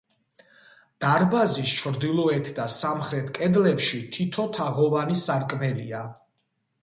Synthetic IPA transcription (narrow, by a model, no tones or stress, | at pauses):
d̪̥aɾbazist͡ʃʰɾd̪ilˠɔɛt̪ʰd̪asamχɾɛt̪ʰkʼɛd̪lɛpʃit̪ʰit̪ʰɔt̪ʰaʁɔvanisaɾkʼmɛlia